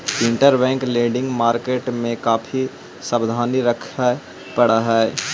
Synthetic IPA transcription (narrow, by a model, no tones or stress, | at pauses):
ɪ̃ɳʈəɾbɛ̃ːŋkleːɖɪ̃ŋɡmaːɾkeːʈmẽkaːfʰi | səbd̪ʱaːniɾəkʰa | pɐɽaɦɛː